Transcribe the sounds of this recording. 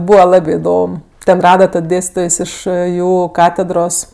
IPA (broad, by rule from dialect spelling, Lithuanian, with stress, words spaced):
ˈbuːʋɐ ˈlˠɑːbʲeː ɪˈdoːm ˈtʲɛn ˈrɑːdɐ tɐt ˈdʲeːsʲtʲɪtoːjs ˈɪʃ ˈjuː ˈkɑːtʲɛdroːs